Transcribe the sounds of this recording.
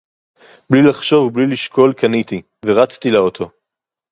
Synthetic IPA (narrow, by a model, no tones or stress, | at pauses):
blilaχʃo̞vbliliʃko̞lkanit̪i | veʁat͡st̪ilaot̪ʰo̞